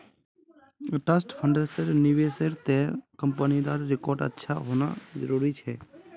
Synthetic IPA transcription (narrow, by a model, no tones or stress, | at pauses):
ʈəsʈpʰəɳɖəɾsəɾnɪʋeseɾt̪ekəmpənid̪aːɾɾɪkoːɾɖə̰tːʃʰaɦoːna̰zəɾuːɾit͡ʃʰɛː